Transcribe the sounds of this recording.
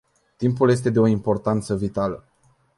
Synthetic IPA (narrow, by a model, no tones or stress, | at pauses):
t̪impuljes̬t̪e̞d̪eo̞impo̞rt̪ant̪səvit̪alə